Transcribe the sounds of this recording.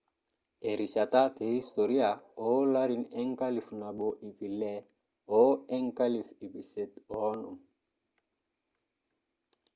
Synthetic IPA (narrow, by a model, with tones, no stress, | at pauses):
eɾi˨t͡ʃa˨ta˦te˨i˦st̪oɾi˦aolaɾinɛ˦ŋka˦li˨fna˨boʔi˨pi˨lɛ | oe˦ŋka˦lifi˨pi˨se˦t̪o˦num